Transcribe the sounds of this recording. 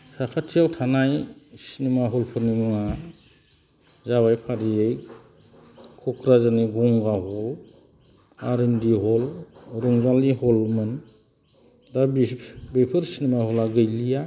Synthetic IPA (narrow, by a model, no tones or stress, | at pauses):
sakʰatʰiawtʰanajsinimaɦɔlpʰɯɾnimɯŋa | zaβajpʰaɾiej | kʰɔkʰɾazaniɡɔŋɡaɦɔl | aɾindiɦɔlɾɔŋzalihɔlmɯn | dabibepʰɯɾsinimahɔlaɡɯjlija